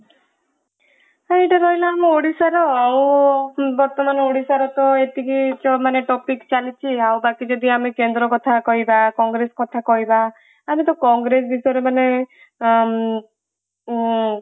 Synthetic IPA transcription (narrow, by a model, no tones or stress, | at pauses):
ãeʈaɾɔɦilamẽoɽisaɾɔaw̃ | bɔɾt̪ɔmanɔoɽisaɾɔt̪ɔet̪ikit͡ʃɔmaneʈɔpikt͡ʃalit͡ʃʰiaw̃bakid͡ʒɔd̪iamekend̪ɾɔkɔt̪ʰakɔɦibakɔŋɡɾeskɔt̪ʰakɔɦiba | amit̪ɔkɔŋɡɾes̬bisɔjɾemane